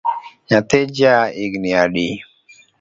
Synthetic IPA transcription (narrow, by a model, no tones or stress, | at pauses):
ɲat̪ed͡ʒaikniaɗi